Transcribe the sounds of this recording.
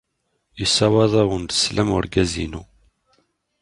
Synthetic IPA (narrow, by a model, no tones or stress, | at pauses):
isɑwɑðˤɑwənd̪ə̥slæmʊɾɡæzḭnu